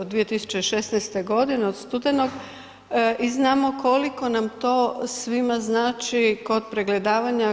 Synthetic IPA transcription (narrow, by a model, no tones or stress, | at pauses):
od̪ːʋije̞t̪isu̥t͡ʃe̞ʃe̞snɛjst̪eɡo̞d̪ineod̪st̪ud̪enoɡ | iznaːmo̞ko̞liko̞namt̪o̞sʋimaznaːt͡ʃiko̞d̪̚pɾe̞ɡle̞d̪aːʋaɲa